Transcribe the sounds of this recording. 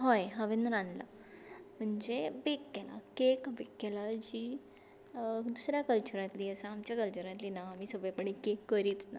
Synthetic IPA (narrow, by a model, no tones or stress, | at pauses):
ɦojɦəʋend̪ɾãnla̰ | m̤əɳd͡zebekːela̰kekbekɡelad͡ʑiː | d̪usɾjakəlt͡ɕuɾãt̪liːəsə̃amt͡ɕjakəlt͡ɕuɾãt̪liːnaːmiːsəbepəɳikekːəɾiːt̪na